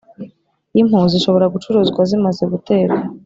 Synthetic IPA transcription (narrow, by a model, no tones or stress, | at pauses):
im̥huːziʃo̞βo̞ɾaɡut͡ʃuɾuːzɡwazimaze̞ɡute̞ːɾa